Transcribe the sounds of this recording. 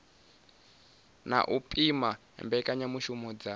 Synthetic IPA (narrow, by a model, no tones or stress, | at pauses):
na̰ʔupʼima | ɛ̰mbɛkʼaɲamuʃumɔd͡za